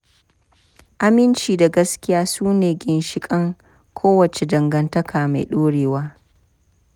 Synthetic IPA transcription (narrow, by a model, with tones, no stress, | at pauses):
ʔa˨mɪ˦nt͡ʃiː˨da˨ɡɐ˦skʲɪ˦jaː˦suː˦neː˨ɡʲɪ˦nʃɪ˦kʼɐ˦ŋ | kʰoː˦wɐ˨t͡ʃe˨dɐ˨ŋɡɐ˨ntɐ˦kʰaː˨ma̰˨jɗoː˦ɽeː˨waː˦